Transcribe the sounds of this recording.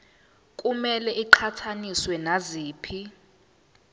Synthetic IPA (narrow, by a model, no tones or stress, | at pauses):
kʼumɛlɛʔiǃʰatʰaniswɛnaziːpʰi